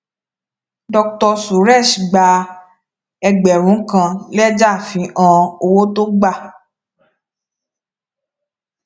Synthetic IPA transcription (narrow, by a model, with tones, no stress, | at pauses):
dɔ˧k̚tɔ˧su˨ɾɛ˦˨ʃi˨ɡ͡ba˧ | ɛ˧ɡ͡bɛ˨ɾ̃ũ˨˦kã˧lɛ˦d͡ʒa˦˨fĩ˨˧ʔɔ̃˧o˧wo˦to˦ɡ͡ba˦˨